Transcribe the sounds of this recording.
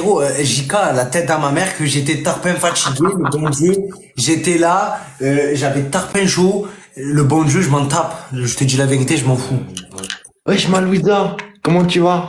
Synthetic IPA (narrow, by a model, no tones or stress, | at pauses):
ʁoøʒikalat̪ɛt̪̚d̪amamɛʁkəʒet̪ɛt̪aʁpɛ̃fat͡ʃiɡeləbɔ̃d͡ʒø | ʒet̪ɛlaøʒavɛt̪aʁpɛ̃ʃo | ləbɔ̃ʒøʒəmɑ̃t̪apʒət̪əd̪ilaveʁit̪eʒəmɑ̃fuw | wɛʒəmãlwizakɔmɑ̃t̪yva